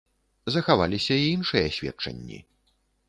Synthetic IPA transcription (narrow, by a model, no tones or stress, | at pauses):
zɐxava̰lʲisʲɐiinʂɨjɐsʲvʲɛ̰t̚t͡ʂɐ̰nʲːḭ